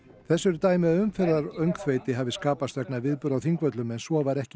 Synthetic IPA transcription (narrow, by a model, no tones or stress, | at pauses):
θɛsːʏɾt̪aːjmɪʏmfɛɾðaɾœɥŋkθveːjt̪ɪɦaːvɪskaːpast̪vɛknavɪðpʏɾawθiŋkvœt̪lʏmɛnsvɔvaɾɛhc